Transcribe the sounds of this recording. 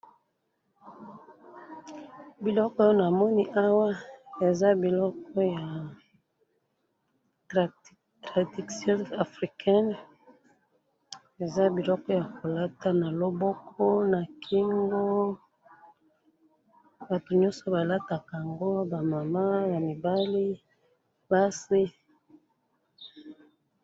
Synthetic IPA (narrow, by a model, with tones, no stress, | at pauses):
bi˨lɔ˦kɔ˦jo˦na˨mɔ˦ni˦ʔa˦wa˦e˨za˦bi˨lɔ˦k̚ɔ˦ja˨ | tʁa˨di˨sjo˦a˨fʁi˨kʰɛ˦n | e˨za˦bi˨lɔ˦kɔ˦ja˨ko˨la˦ta˦na˨lo˦bɔ˦kʰɔ˦na˨kʰi˦ŋɡo˦ | ba˨tu˨ɲɔ̃˦sɔ˨ba˨la˦ta˨ka˨a˨ŋɡo˦ba˨ma˨ma˦ba˨mi˨ba˦li˦ | ba˦si˦